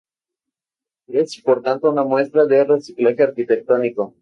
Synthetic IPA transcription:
esipo̞ɾt̪ant̪ounamwe̞st̪ɾaðere̞siklaxeaɾkit̪e̞k̚t̪o̞niko̞

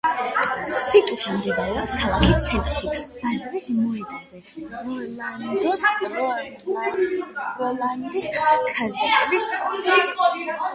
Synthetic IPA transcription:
sit̪ʼuʃimd̪ɛvaɾɛapskʰalˠakʰist̪sʰɛlt̪ʃimazɾismɔɛd̪azɛland̪ɔsɔ | ɾɔland̪iskʰaziʃbis

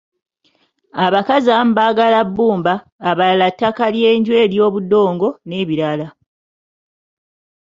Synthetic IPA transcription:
aβakazaːmubaɡalabːuːmbaː | βalalatːakalje̞ːɲɟwe̞ːljo̞ːβudo̞ːŋɡo̞ne̞ːβiɾala

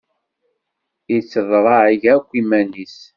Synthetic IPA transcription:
it͡sːəðɾˤɑʕiʝækʷːimænis

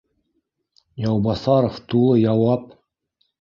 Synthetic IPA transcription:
jɑwbɑsɑɾoft̪ulˠɤjɑwɑp

